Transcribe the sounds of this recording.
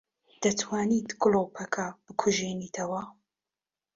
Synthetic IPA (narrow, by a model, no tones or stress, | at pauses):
d̪̥ɐt̪ʰwaːnit̪ɡloːpʰɐkʰɐb̥ɨkʰʊʒeniːt̪ʰɐwɐ